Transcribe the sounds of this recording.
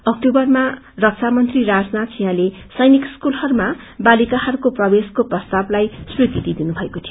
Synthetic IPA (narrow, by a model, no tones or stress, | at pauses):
ʌk̚ʈobʌrma | rʌk̚sʰamʌnt̪riɾad͡znat̪sijãle | sʌjnikskulhʌɾuma | balikahʌɾukoprʌbeskoprʌst̪ablajsrud̪id̪id̪inubʱʌekot̪ʰijo